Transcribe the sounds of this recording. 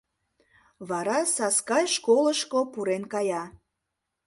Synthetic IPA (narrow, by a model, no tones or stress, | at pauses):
βɑɾɑsɑskɑjʃkoləʃkopuɾenkɑjɑ